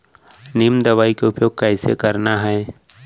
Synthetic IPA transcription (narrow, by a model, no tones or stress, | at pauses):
nimd̪ɐʋaːikeʊpjoːɡ̚kɛːsḛkɐɾnaɦɛ